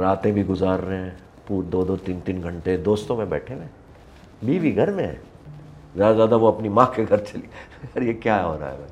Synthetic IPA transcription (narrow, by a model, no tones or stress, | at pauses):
ɾaːt̪ẽbʱiɡʊzaːɾːeɦɛ̃ | puːɾd̪oːd̪ot̪iːnt̪iːnɡʱɐ̃ɳʈed̪oːst̪õmẽbɛ̰ːʈʰeʋẽː | biːʋiɡʱɐɾmẽɦɛ̰̃ | zjaːd̪azjaːd̪aʋoɐpnimãkeɡʱɐɾt͡ʃɐliɐɾjekjaɦɛɦo̰ːɾa̰ɦɛ̰mɛ̃ː